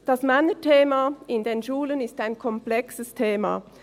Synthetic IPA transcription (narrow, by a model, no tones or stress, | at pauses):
d̥ɑsmanətʰeːmaɪndeːnʃuːlənɪstaɪnkʰɔmplɛksəstʰeːma̰